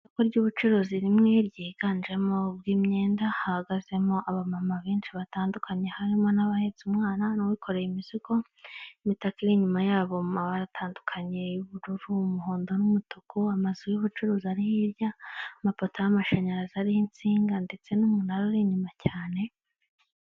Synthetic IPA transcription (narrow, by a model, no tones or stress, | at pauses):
koɾɟuːβut͡ʃuɾuziɾimŋe̞ɾɟiːɡaːnd͡ʒe̞mo̞bɡiːmɲe̞ːndahahaɡaze̞mo̞ʔaβamamaβeːnʃiβataːndukʰaɲe̞haɾimo̞naβahe̞zumŋaːnanowikʰo̞ɾe̞jimiziɡo̞ | imitakiɾiɲumajaːβo̞mumaβaɾatʰaːndukʰaɲe̞juβuɾuɾuumuɦo̞ːndo̞numutukʰuamazujuβut͡ʃuɾuːziaɾihiɾjamapotojamaʃaɲaɾazaɾihint͡siːŋɡande̞t͡se̞numunaɾoɾiɲumacʰaːne̞